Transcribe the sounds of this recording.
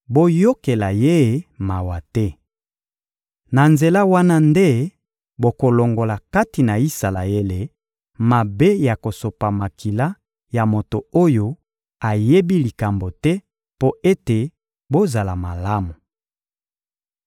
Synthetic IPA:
bo˦jo˦ke˨la˨je˦˨ma˨wa˨tɛ˦ | na˨nze˨la˦wa˦na˦nde˦ | bo˨ko˨lo˨ŋɡo˨la˨ka˦ti˨na˨i˦sa˨la̰˨e˦le˨ | ma˨be˦ja˨ko˨so˨pa˨ma˨kʰi˨la˦ | ja˨mo˨to˨o˦jo˦ | a˨je˦bi˦li˨ka˨mbo˨tɛ˦ | po˦e˦te˨ | bo˦za˨la˨ma˨la˦mu˨

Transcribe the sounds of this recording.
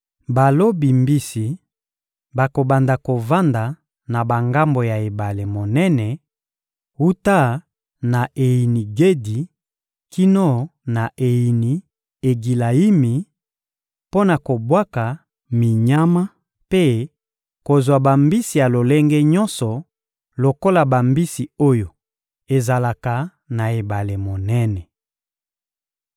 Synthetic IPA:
ba˨lo˦bi˨mbi˦si˨ | ba˨ko˨ba˨nda˨ko˨va˦nda˨ | na˨ba˨ŋɡa˦mbo˨ja˨e˨ba˨le˨mo˨nɛ˦nɛ˨ | u˦ta˦ | na˨ʔe˨ji˨ni˨ɡe˦di˨ | ki˦no˦na˨ʔe˨ji˨ni˨ | e˨ɡi˨la˨i˦mi˨ | po˦na˨ko˨bwa˦ka˨ | mi˨ɲa˦ma˦ | pe˦ | ko˨zwa˨ba˨mbi˦si˨ja˨lo˨le˦ŋɡɛ˦ɲɔ˦nsɔ˨ | lo˨ko˦la˨ba˨mbi˦si˨o˦jo˨ | e˨za˨la˨ka˨ | na˨e˨ba˨le˨mo˨nɛ˦nɛ˨

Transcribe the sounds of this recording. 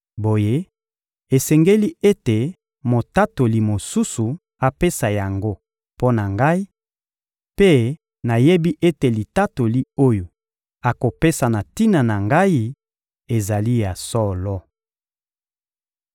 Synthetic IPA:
bo˨je˦ | e˨sɛ˨ŋɡe˦li˦e˦te˨ | mo˨ta˦to˨li˨mo˨su˦su˨ | a˨pe˦sa˨ja˨ŋɡo˦ | po˦na˨ŋɡa˦i˦ | pe˦ | na˨je˦bi˦ʔe˦te˨li˨ta˦to˨li˦o˦jo˨ | a˨ko˨pe˦sa˨na˨ti˦na˨na˨ŋɡa˦i˦ | e˨za˨li˦ja˨sɔ˦lɔ˦

